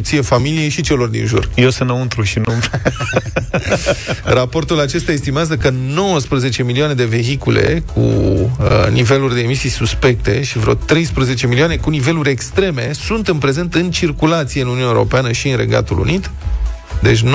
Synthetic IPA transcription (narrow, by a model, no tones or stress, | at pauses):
t̪sijefamilije̞ʃit͡ʃe̞lo̞rd̪ḭnʒṵrjesənəunt̪ɾuʃinump | rapo̞rt̪ulat͡ʃe̞st̪ejaest̪imeazəkəno̞wəspɾəze̞t͡ʃe̞miliane̞d̪e̞ve̞ɦikulḛkʰṵ | nive̞lurʲd̪e̞ːmisijsuspe̞k̚t̪e̞ʃivɾḛt̪ɾe̞jspɾəze̞t͡ʃe̞milioanekunive̞luɾʲe̞kst̪ɾe̞me̞sunt̪ɨnpɾe̞ze̞nt̪ɨnt͡ʃirkulat̪sieɨnununaeoɾo̞̰peanəʃiɨnre̞̰ɡa̰t̪ulṵnit̪ | d̪e̞t͡ʃʲn